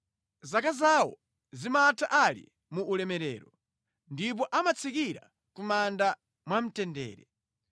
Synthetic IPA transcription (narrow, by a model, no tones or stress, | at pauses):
zakazawɔ̰ | zimatʰaʔalḭ | muʔːlɛmɛɾɛ̰ːɾɔ | ndip̬ɔʔamat͡sʰikiɾa̰ | kumanda | mwam̩tɛndɛ̰ːɾɛ